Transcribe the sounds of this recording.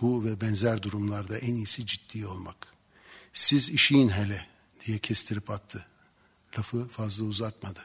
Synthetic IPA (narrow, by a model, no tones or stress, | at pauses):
b̥uvɛbɛnzæɾd̪uɾumlˠaɾd̪aʔænijsid͡ʒit̪ːiːo̞lˠma̰k | siziʃijnɦɛlʲɛ | d̪̥ijɛcʰɛst̪ʰiɾipat̪ʰːɯ | lʲafɯfazlˠauzak̪mad̪ɯ